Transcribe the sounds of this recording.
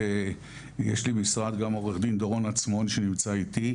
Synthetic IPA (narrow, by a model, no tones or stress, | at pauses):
e | jeʃlibmisʁad̪ɡamo̞ʁeχd̪ind̪oʁo̞nat͡smo̞nʃenimt͡sait̪i